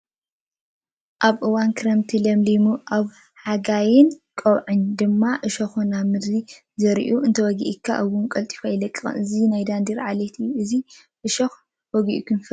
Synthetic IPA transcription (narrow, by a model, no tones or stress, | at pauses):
ʔaβʔɨwankʰɨɾɐmt̪ʰilɐmlimuʔaβ | ħaɡajɪnkʼɐwʕɨɲd̪ɨmːaʔɨʃɐxunamɨd̪ɾi | zɐɾʔuʔɨnt̪ʰɐwɔɡḭʔikʰːaʔɐwunkʼɐlt̪ʼi̥fajlɐkʼːɨxɨ̰nɨzinajd̪and̪iɾʕalet̪ʰijuɨzi | ʔɨʃɐx | wɔɡiʔkʰɨnf